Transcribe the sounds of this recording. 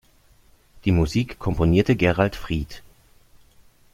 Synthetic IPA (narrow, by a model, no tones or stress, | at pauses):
d̥iːmuziːkʰːɔmponiːɐtəɡɛʁaltfʁ̥iːt